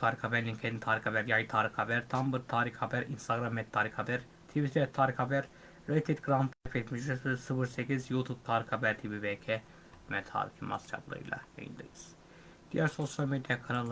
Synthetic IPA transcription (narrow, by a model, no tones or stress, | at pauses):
t̪ʰaːɾixabæɾnʲincʰed̪int̪ʰaːɾixabæɾjajt̪ʰaːɾixhabæɾt̪ʰambɯɾt̪ʰaːɾixhabæɾinst̪aɡɾamːɛt̪ʰːaːɾixabæɾ | t̪ʰivit̪ʰiɛt̪ʰːaːɾixabæɾː | at̪ʰed̪ɡɾamp̪ʰafet̪miʒysisɯfɯɾsecizjut̪ʰub̚t̪ʰaːɾixabæɾt̪ʰibibecʰɛ | mɛt̪ʰa̰ːɾḭkima̰st͡ʃʰa̰blˠɯ̰ɯ̰jlˠa̰ja̰jɯ̰nd̪ɯ̰jɯz̥ | d̪̥ijæɾso̞sjalʲmed̪ijakʰanalˠ